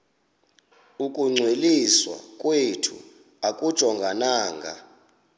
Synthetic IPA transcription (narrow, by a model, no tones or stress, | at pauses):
ukʼuŋ͡ǀʱweliswa̰kʼwetʰṵ | akʼud̥ʒ̥ʱɔŋɡʱanaːŋɡʱa̰